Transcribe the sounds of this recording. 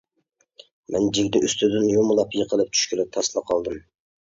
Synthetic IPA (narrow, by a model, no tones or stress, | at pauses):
mɛnd͡ʒiɡʲd̪ɪʔyst̪ʰyd̪ɪnjomʊlˠɑpjəqʰəlˠɨp̚t͡ʃ̪ʰy̥ʃkʲyɾɪp̚t̪ʰɑslˠɑqʰɑlˠd̪ɨm